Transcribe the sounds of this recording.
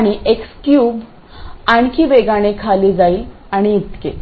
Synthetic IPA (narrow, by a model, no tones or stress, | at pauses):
aɽ̃iʔekskjuːb | aɳkʰiːʋeɡaɽ̃ekʰaliːd͡zaiː | aɽ̃iːt̪ke